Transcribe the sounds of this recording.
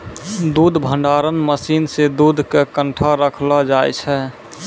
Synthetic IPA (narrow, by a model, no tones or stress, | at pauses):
d̪ud̪ʱbʱəɳɖaɾənməsiːnsed̪ud̪ʱkekə̃ɳʈʰaɾəkʰlɔd͡ʒaːjt͡ʃʰɛ